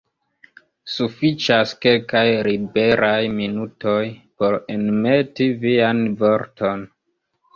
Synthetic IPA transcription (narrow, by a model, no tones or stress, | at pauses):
sufit͡ʃaske̞lkajɾibe̞ɾʔajminuto̞jpo̞ɾenme̞tivianvo̞ɾtʰo̞n